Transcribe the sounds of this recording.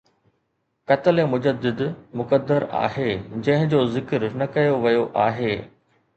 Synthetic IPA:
kɐt̪əlemʊd͡ʑəd̪ɪd̪mʊkəd̪ːəɾa̰ːɦeːd͡ʑɐ̃ɦɪ̃d͡ʑoːzɪkəɾnɐkɐjoʋɐjoʔaːɦeː

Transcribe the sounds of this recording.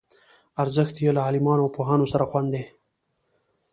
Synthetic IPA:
aɾzəxt̪jelaɑːlɪmɑːnoawpoɦɑːnosaɾaxwand̪e

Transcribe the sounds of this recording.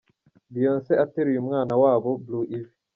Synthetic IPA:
bijənsɛateɾjumŋanawaːbobluʔif

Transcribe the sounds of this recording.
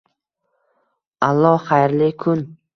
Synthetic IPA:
alˠːɒχajɾlɪkʰʊn

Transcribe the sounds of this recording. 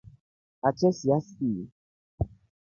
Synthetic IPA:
at͡ʃɛsiasiː

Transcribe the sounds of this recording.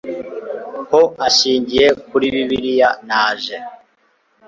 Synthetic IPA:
hoʔaʃiːɲɟije̞kuɾiβiβiɾijanaːʒe

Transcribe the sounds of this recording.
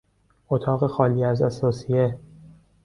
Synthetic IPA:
ʔot̪ʰɒːɣe̞xɒːliːæzæsɒːsije

